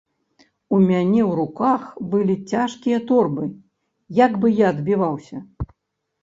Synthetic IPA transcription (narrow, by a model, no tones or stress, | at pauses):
umʲanʲɛwɾukaxbɨlʲit͡sʲaʂkʲijɐt̪ɔrbɨ | jaɡbɨjaɐd̪bʲivawsʲɐ